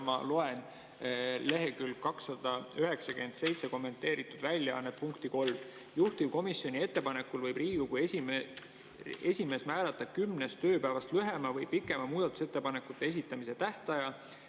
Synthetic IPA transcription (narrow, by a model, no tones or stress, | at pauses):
mɑ̰loe̞n | le̞ɦe̞kylkɑksːɑd̪̥ɑyɦe̞ksɑkyent̪se̞jt̪se̞ko̞mːe̞nt̪ːˑe̞ːɾit̪ːˑud̪vælʲːjɑɑ̰nːet̪̚puŋkt̪iko̞lm | juht̪ivko̞misːjo̞nʲie̞t̪ːe̞pɑne̞kːˑulvɤjbriːɡ̥ukujesi | e̞sʲime̞ːsmæːlɑt̪ːˑɑ̥kymnest̪ø̞ːpævɑst̪lyɦe̞mɑvɤjpikːˑe̞mɑmuːd̪̥ɑt̪ːˑu̥se̞t̪ːe̞pɑne̞kːˑut̪ˑːe̞es̬it̪ːˑɑmise̞t̪æht̪ɑjɑ